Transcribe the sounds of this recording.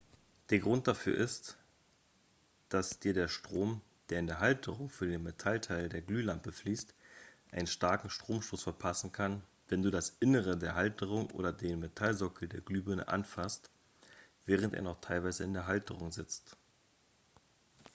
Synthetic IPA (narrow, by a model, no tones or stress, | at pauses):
d̥eːɐɡʁʊnt̚d̥afyːɐʔɪst | d̥asd̥iːɐdeːɐʃtʁ̥oːm | d̥eːɐɪndeːɐɦaltʰəʁʊŋfyːɐdeːnmetʰaltʰaɪldeːɐɡlyːlampəfliːstʔaɪnənʃtaɐkŋ̩ʃtʁ̥oːmʃtoːsfɛɐpʰasn̩kʰan | vɛnduːdasʔɪnəʁ̞ədeːɐɦaltʰəʁʊŋʔo̰ːdɐdeːnmetʰalzɔkl̩deːɐɡlyːbønə̰ʔa̰nfast | v̥ɛːʁ̞əntḛɐnɔχtʰaɪlvaɪzəɪndeːɐɦaltəʁʊŋzɪt͡st